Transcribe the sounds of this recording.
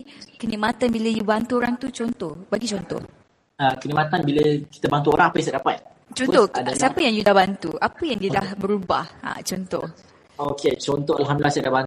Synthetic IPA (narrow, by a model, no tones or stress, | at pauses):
kənimat̪anbiləjubant̪uoɾaŋt̪ut͡ʃɔnt̪ɔhbaɡit͡ʃɔnt̪ɔ̰h | əkənimat̪anbiləki̥t̪əbant̪uoɾaŋapəjsadapat̪̚ | t͡ʃɔnt̪ɔadsiapəjaŋjudahbant̪ṵapəjaŋdudahbəɾuba̰ha̰t͡ʃɔnt̪ɔ̰h | oket͡ʃɔnt̪ɔalɦamdulahsiadahban